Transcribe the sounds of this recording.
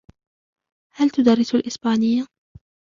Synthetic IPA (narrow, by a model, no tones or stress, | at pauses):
halt̪ʊd̪ɑrːɪsalʔɪsbaːnɪjːa